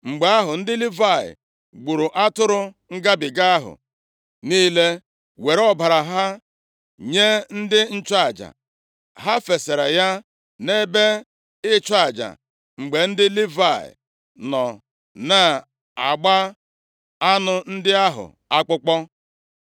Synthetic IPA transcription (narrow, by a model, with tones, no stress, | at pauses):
ŋ͡m̩˨ɡ͡be˨a˦ɦʊ˨n̩˦dɪ˦li˦va˦˨ɪ̰˨ | ɡ͡bu˨ɾʊ˨ʔa˦tʊ˦ɾʊ˦ | ŋ̩˦ɡa˦bɪ˨ɡa˦a˦ɦʊ̰˨ | niː˦le˦ | we˨ɾɔ˦ba˨ɾa˨ɦa˦ | ɲe˦n̩˦dɪ˦n̩˦t͡ʃa˨d͡ʒa̰˨ | ɦa˦fe˨se˨ɾe˨ja˦ | ne˦be˦ | ɪ˦t͡ʃa˦˨d͡ʒa̰˨ | ŋ͡m̩˨ɡ͡be˨n̩˦dɪ˦li˦va˦˨ɪ̰˨ | nɔ˨ | na˨ | a˨ɡ͡ba˦ | a˦nʊ˨n̩˦dɪ˦a˦ɦʊ̰˨ | a˦k͡pʊ˦k͡pɔ˦